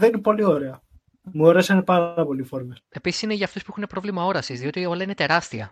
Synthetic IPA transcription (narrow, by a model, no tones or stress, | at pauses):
ðeninepo̞lioɾeɐ | muoɾesɐinepɐɾɾɐpo̞lifoɾmese̞pisi̥sine̞ʝɐːft̪uspuxunepɾo̞vlimɐo̞ɾɐsizðio̞t̪io̞lɐine̞t̪e̞ɾɐst̪iɐ̰